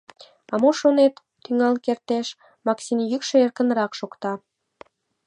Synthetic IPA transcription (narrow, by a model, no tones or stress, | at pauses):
ɑmoʃonet̪ːyŋɑlkert̪eʃ | mɑksinjykʃeerkə̆nɾɑkʃokt̪ɑ